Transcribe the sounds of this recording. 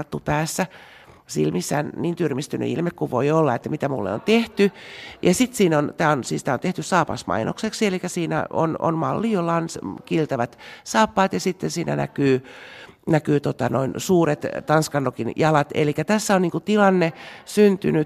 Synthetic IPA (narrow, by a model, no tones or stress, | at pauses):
t̪ːupæːsːæ | sḭlmisːæ̰ːnniːnt̪yrmist̪yny̰ḭlmekkuʋʋoiolːɑet̪ːæmit̪æmṵlːḛo̰nt̪eht̪yjɑsit̪siːnont̪æːonsist̪æont̪eht̪yssɑːpɑ̰smɑ̰inʔo̰kseksielikːæsiːnæ̰o̰no̰nmɑlːijolːɑonskilt̪ɑʋæt̪sɑːpːɑːt̪jɑsit̪ːensiːnæ̰næ̰kyː | nækyːt̪ot̪ɑno̰insuːret̪t̪ɑnskɑnːokinjɑlɑt̪ḛlikːæt̪æsːæonniːŋkut̪ilɑnːesynt̪yny